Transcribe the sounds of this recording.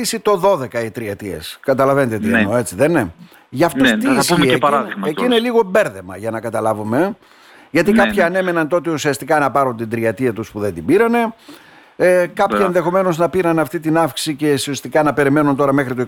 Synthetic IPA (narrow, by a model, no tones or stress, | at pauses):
isit̪o̞ðo̞ðe̞kɐit̪ɾiɐt̪iḛskɐt̪ɐlɐvenet̪eot̪ienoe̞t͡siðene | ʝɐft̪ost̪isieɐɾaðiɣmeciineliɣo̞be̞ɾðe̞mɐ̰ʝɐnɐkɐt̪ɐlɐvume̞ | ʝɐt̪ikɐpçiɐne̞me̞nɐnt̪o̞t̪iusiɐst̪ikɐnɐpɐɾunt̪ind̪ɾiɐt̪iɐt̪uspuðe̞nd̪ibiɾɐne̞ | kɐpçienðe̞xo̞me̞no̞znɐpiɾɐnɐft̪it̪inɐfksi̥sicesiost̪ikɐnɐpe̞ɾime̞nunt̪o̞ɾɐmexɾit̪o